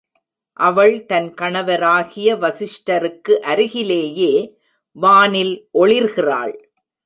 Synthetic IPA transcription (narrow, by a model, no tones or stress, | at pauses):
ʔɐʋɐɭt̪ɐnkɐɳɐʋɐɾaːɣɪjɐʋɐsɪʂʈɐɾɯkːɯʔɐɾɪɣɪleːjeː | ʋaːnɪlʔɔɭɪɾɣɪra̰ːɭ